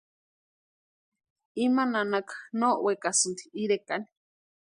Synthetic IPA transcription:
imananakḁnoʔwekasɨnt̪iiɾekani̥

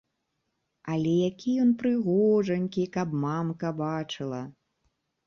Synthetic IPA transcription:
ɐlʲɛjakʲijɔnpɾɨɣɔʐɐnʲkʲikɐpmamkɐbat͡ʂɨlˠɐ

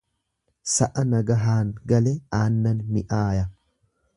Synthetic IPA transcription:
sɐʔɐnɐɡɐɦaːŋɡɐlɛaːnːɐnːɪʔaːjɐ

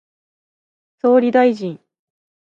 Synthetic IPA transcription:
so̞ːɾʲid̪aiʑĩɴ

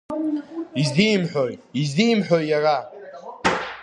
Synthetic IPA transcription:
izd̪imħojizd̪imħojara

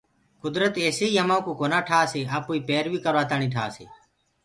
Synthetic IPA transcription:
kʊd̪ɾət̪eːseːiːjəmaːkoːkoːnaːʈʰaːseːaːpuːiːpeːɾʋiːkəɾʋaːt̪aːɳ̃iːʈʰa̰ːsḛː

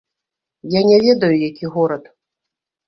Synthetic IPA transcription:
janʲɛvʲɛd̪ɐjujakʲiɣɔɾɐt̪

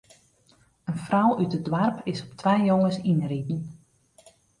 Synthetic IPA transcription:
ənfrɔwytədwarpʰɪsɔptʰʋɛjjoŋəsinritn̩

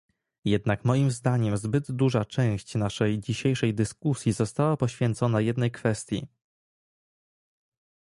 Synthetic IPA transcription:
jɛd̪nakmɔjimzd̪aɲɛmzbɘd̪ːuʐat͡ʂɛ̃w̃ɕt͡ɕnaʂɛjd͡ʑiɕejʂɛjd̪ɘskusʲjizɔst̪awapɔɕfʲjɛnt̪sɔnajɛd̪nɛjkfɛst̪ʲjḭ

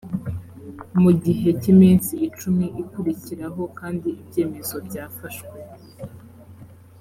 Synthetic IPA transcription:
muɟiɦe̞cimiːnsiːt͡ʃumiʔikuɾiciɾaɦo̞kaːndiibɟe̞ːme̞zo̞bɟaːfaʃwe

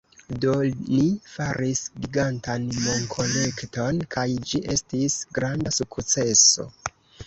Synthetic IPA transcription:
do̞lifaɾisɡiɡantanmo̞ŋkʰo̞le̞kto̞nkajd͡ʒiʔe̞stisɡɾandasukt͡se̞so̞̰

